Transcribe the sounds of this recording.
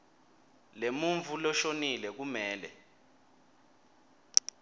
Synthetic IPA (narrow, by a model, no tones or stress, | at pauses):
lemuɱvulɔʃonilɛk̬umɛːlɛ̰